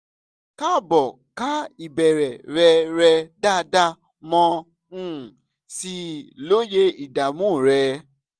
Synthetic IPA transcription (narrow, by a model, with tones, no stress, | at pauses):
ka˦˨bɔ˨ | ka˦i˨bɛ˨ɾɛ˨ɾɛ˧ɾɛ˧da˦da˦ | mɔ̃˧ | ũ˦˨ | si˧˦lo˦je˦i˨da˨mũ˦˨ɾɛ˧